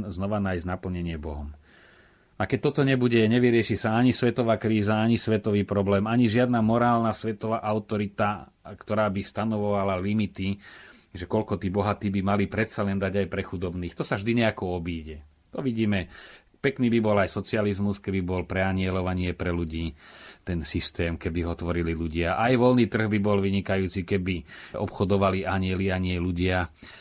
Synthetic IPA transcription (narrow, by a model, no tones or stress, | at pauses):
nznɔʋanajznapl̩ɲɛɲɪɛbɔɦɔm | akɛc̚t̪ɔt̪ɔɲɛbuɟɛɲɛʋiɾɪɛʃiːsaaɲisʋɛt̪ɔʋaːkɾiːzaaɲisʋɛt̪ɔʋiːpɾɔblɛːmaɲiʒɪad̪namɔɾaːlnasʋɛt̪ɔʋaːʔaʊt̪ɔɾit̪a | kt̪ɔɾaːbist̪anɔʋɔʋalalimit̪i | ʒɛkɔlkɔt̪iːbɔɦat̪iːbimalipɾɛt̪salɛnd̪aɟajpɾɛxud̪ɔbniːxt̪ɔsavʒd̪iɲɛakɔɔbiːɟɛ | t̪ɔʋiɟiːmɛ | pɛkniːbibɔlajsɔt͡sializmuskɛbibɔlpɾɛaɲɪɛlɔʋaɲɪɛpɾɛluɟiːt̪ɛnsist̪ɛːmkɛbiɦɔt̪ʋɔɾililuɟɪaʔajʋɔlniːt̪r̩ɣbibɔlʋiɲikajuːt͡sikɛbiʔɔpxɔd̪ɔʋaliʔaɲɪɛliaɲɪɛluɟɪa